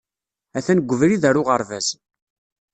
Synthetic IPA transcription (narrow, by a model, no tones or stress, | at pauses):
æθænəɡʷːəvɾiðæɾʊʁəɾˤvæz